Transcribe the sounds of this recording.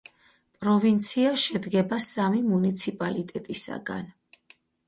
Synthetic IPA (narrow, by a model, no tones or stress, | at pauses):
pʼɾɔvint̪sʰiaʃɛd̪ɡɛbasamimunit̪sʰipʼalit̪ʼɛt̪ʼisa̰ɡa̰n